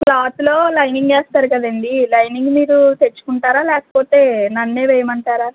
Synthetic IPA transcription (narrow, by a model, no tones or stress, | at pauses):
plaːt̪ulo̞ːlɐjniŋɡeːst̪aːɾukɐd̪ɐnd̪ilɐjniŋɡmiːɾut̪e̞t͡ʃːu̥kuɳʈaːɾaːlɛːkɐ̥po̞ːt̪e̞ːnɐnːe̞ːʋɛjɐmɐɳʈaːɾaː